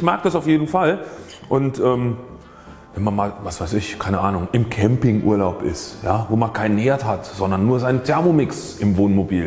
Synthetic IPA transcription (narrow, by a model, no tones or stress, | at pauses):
çmaɐk̚d̥asaʊfjeːdn̩fal | ʔʊntʔɛːm | vɛnmanmaːlvasv̥aɪsɪçkʰaɪnəʔaːnʊŋʔɪmkʰɛmpɪŋʔṵːɐlaʊpɪ̰stjaːvoːmankʰaɪnəneːɐthatz̥ɔndɐnːuːɐzaɪnəntʰɛɐmomɪksʔɪmvoːnmobiːl